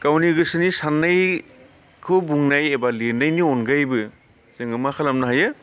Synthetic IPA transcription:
kawniɡɯsɯnisanːaj | kʰɯbuŋnajebalenajniɔnɡajbɯ | zɯŋɯmakʰalamnaɦajɯ

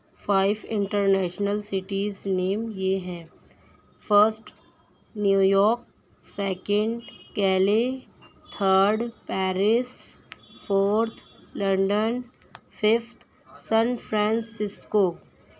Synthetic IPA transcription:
fʰaːɪʋɪ̃ɳʈəɾnɛːʃnəlsɪʈiːzneːmjeɦɛ̃ː | fəɾsʈ | njuːjɔːk | sɛːkə̃ɳɖkɛːlet̪ʰəːɾɖpɛːɾɪs | fʰoːɾt̪ʰlɐ̃ɳɖən | fɪft̪ʰ | sɛ̃nfɾɛ̃ːnsɪskoː

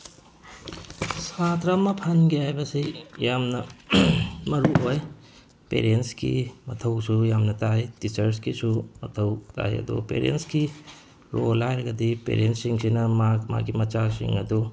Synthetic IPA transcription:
sat̪ʰɾɐmɐpʰɐnɡiajbɐsijamnɐ | mɐɾuɦoj | pḛɾenskḭmɐt̪ʰɐwsujamnɐt̪ajtit͡ʃɐɾskisumɐt̪ʰɐwt̪a̰jɐ̰d̪ṵpḛɾiḛnski | ɾolajɾɐɡɐd̪ipḛɾensiŋsinɐmakma̰ɡimɐt͡ʃasḭŋɐd̪u

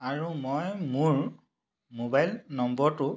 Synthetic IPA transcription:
aɹumojmuɹ | mobajlnɔmbɔɹtʊ

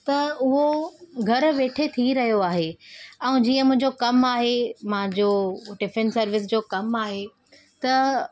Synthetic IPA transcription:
t̪ɐʊɦoɡʱɐɾʋeːʈʰet̪ʰiɾɐɦijoaːɦeɛ̃ũd͡ʑiːə̃mʊ̃ɦɪ̃ɲd͡ʑokɐmaːɦemɐãɲd͡ʑoːɖɪfẽnsɐɾʋɪsd͡ʑoːkɐmaːɦe | t̪ɐ

